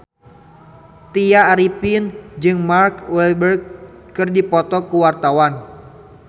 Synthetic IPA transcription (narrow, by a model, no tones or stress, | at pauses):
t̪iaːɾipɪnd͡ʒɨŋmarkwɛlbərɡ̚ː | ɨrdipɔt̪ɔkuwart̪awan